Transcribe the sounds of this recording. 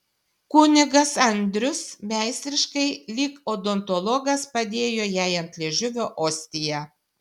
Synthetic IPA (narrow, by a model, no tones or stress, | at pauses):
kʊːnʲɪɡɐsɐnʲd̪ʲɾʲʊsmʲæˑɪsʲt̪ʲɾʲɪʃkɐɪlʲiːkod̪ɔnt̪ɔlˠɔɡɐspɐd̪ʲeːjoːjæˑɪɐnʲt̪ʲlʲiɛʒʲʊʋʲoːʔoːsʲt̪ʲɪjɛ